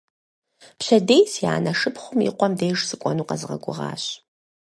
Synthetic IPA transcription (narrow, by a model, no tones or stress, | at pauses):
pɕɐdejsja̰ːnɐʂɨpʰχʷʊmḭqʷɔmdejʐz̥ɨkʷʼɔnuːqɐzɨʁɐ̰ɡʷʼʊ̰ʁɑ̰ːɕ